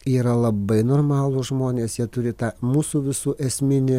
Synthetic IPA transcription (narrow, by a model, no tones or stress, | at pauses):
iːɾɐlˠɐbɐɪnoːrmɑːlˠʊʒmoːnʲeːsjiɛt̪ʊɾʲɪt̪ɑːmuːsuːʋʲɪsuːʔɛsʲmʲɪnʲɪ